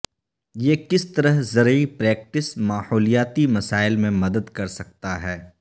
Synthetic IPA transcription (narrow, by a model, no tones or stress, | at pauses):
jeːkɪst̪ɐɾəɦzɐɾəipɾɛːk̚ʈɪsmaːhoːlijaːt̪imɐsaːɪlmẽmɐd̪əd̪kɐɾsɐk̚t̪aɦɛː